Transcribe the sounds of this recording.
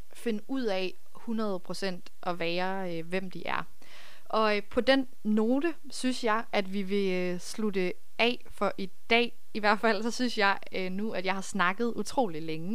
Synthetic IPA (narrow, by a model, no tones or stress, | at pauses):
fe̝nuð̰ˠɛ | hunʁɐð̞̩ˠpʰʁo̝sen̰d̥ʔɒ̽ʋæːɐ | øʋem̰d̥iʔæɐ | ʔɒ̽pʰɒ̽d̥en̰ | no̝ːd̥ə | synsjɑ̈ɪʔæd̥ʋiʋe̝ | slud̥ə | ɛ̰ | fɒ̽ʔid̥ɛ̰ː | iʋæɐ̰d̥fæl̰sɒ̽synsjɑ̈ɪ | ønuæd̥jɑ̈ɪhɑ̈snɑ̈ɡ̥ð̞̩ˠut͡sʰʁo̝̰ːlileŋə